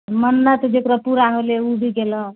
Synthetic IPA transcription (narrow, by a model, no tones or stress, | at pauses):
mʌnlat̪ɔd̪ekɾʌpuɾanoleubʱiɡelʌ